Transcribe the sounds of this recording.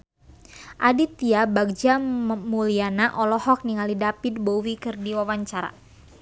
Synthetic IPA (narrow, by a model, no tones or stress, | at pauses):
ʔadit̪iabaɡ̚d͡ʒamulianaʔɔlɔhɔk̚niŋalidapid̪̚bowikɨrdiwawaɲt͡ʃaɾa̰